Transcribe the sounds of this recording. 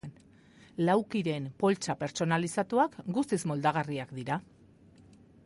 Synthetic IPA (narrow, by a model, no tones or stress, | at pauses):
n | lawkiɾe̞mpo̞lt͡ʃape̞ɾt͡so̞nalisat̪uakɡust̪izmo̞ld̪aɣ̞ariakd̪iɾa